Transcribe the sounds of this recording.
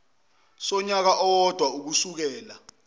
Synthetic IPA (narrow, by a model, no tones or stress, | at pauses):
sɔɲak̬aʔɔwɔd̥ʱwauk̬usuk̬ɛːla